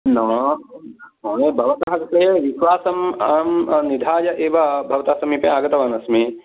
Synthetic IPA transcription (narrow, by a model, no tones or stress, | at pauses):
nɐ̃ | noːɽebʱɐʋɐt̪ɐɦɐkpɐjeʋiʃʋaːsɐmaːmnid̪ʱaːd͡ʒɐʔeːʋɐbʱɐʋɐt̪asɐmipɐjaːɡɐt̪ɐʋanɐsmi